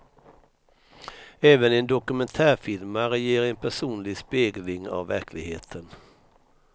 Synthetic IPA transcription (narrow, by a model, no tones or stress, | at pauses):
ɛːvənɛnd̪ɔkɵmɛnt̪ʰæːɾfɪlmaɾɛjeːɾɛnpʰæʂuːnlɪɡspeːɡlɪŋa̰vːæɾkʰlɪɡhḛːt̪ʰən